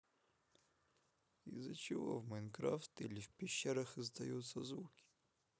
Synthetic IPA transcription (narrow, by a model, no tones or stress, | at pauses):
ḭzɐt͡ʃɪʋɔ̰wmɛnkɾaft̪ilʲiwpʲiʃːɛɾɐxɪzd̪ɐjut̪sːɐzukʲi̥